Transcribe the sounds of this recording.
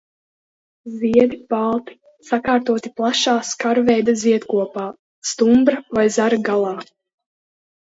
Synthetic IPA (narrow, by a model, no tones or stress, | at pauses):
ziɛd̪ipalˠt̪i̥ | sakaːɾt̪uɔt̪iplˠaʃaːskaɾvɛjd̪aziɛt̪kuɔpaː | st̪umbɾavajzaɾaɡalˠɑː